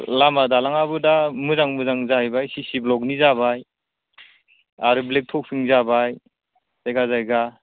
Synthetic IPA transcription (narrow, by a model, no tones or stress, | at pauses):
lamadalaŋabɯdamɯzaŋmɯzaŋzaibajsisiblɔk̚nizabaj | aɾɯblek̚tʰɔk̚sʰɯŋzabaj | zajɡazajɡa